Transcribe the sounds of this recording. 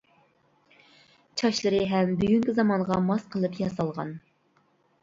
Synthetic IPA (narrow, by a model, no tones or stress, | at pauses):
t͡ʃʰɑʃlˠɨɾɨɦɛmbyɡʲyŋkʲizɑmɑŋʁɑmɑsqʰəlˠɨpjɑsɑlˠʁɑ̰n